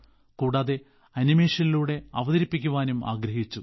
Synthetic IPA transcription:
kuːɽaːðe̞ | ɐnime̞ːʂɐniluːɽe̞ɐʋɐðɐɾipːikʲːuʋaːnumʔa̰ːɡɾɐɦit͡ɕːu

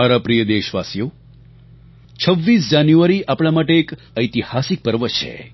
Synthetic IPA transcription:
aɾapɾijəd̪eʃʋasjo | t͡ʃʰəʋːis̬d͡ʒanjuaɾiʔapɽ̃amaʈeːk | əjt̪ihasik̚pəɾʋət͡ʃʰḛ

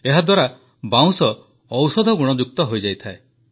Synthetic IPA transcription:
eɦad̪waɾa | bãw̃sɔː | wsɔd̪ʱɔɡuɽ̃ɔd͡ʒuk̚t̪ɔɦojd͡ʒajt̪ʰae

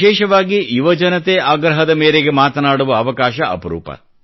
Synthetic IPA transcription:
ɛːʃɐʋaːɡiʔiʋɐd͡ʒɐnɐt̪eaːɡɾɐɦɐd̪ɐmeːɾeɡemaːt̪ɐnaːɽuʋɐːʋɐkaːʃɐʔɐ̰pɐɾṵːpɐ̰

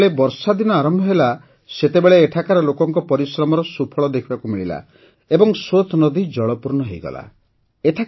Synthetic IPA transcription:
ɭebɔɾsad̪inɔaɾɔmbʱɔɦela | set̪ebeɭeːʈʰakaɾɔlokɔŋkɔpɔɾisɾɔmɔɾɔsupʰɔɭɔd̪ekʰibakumiɭila̰ | ebɔŋsot̪ʰnɔd̪id͡ʒɔɭɔpuɾnɔɦejɡɔ̰la̰ | eʈʰa

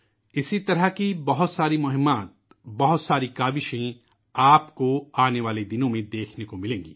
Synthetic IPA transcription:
ɪsit̪ɐɾəɦkibɐɦʊt̪saːɾimʊɦɪmaːt̪̚ | bɐɦʊt̪saːɾikaːʋɪʃẽ | aːpkoaːneʋaːled̪ɪnõmẽd̪eːkʰnekomɪlẽːŋɡiː

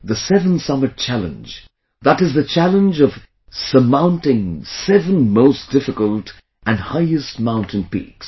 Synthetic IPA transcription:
ðɨsɛvə̃n̩sʌmɨt̚t͡ʃʰælˠə̰̃nd͡ʒ | ðəɾɨzðɨt͡ʃʰælˠə̃nd͡ʒʌv̥ | səmãʊ̃ntɪ̃ŋsɛvə̃nmoʊsd̥ɪfɨkəlˠt | ɨ̃nhaɪɨst̚mãʊ̃ntʰɨ̃npḭks

